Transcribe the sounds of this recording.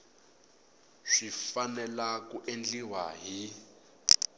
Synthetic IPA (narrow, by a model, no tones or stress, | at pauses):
ʂifanɛlakuʔend͡ɮiwaɦi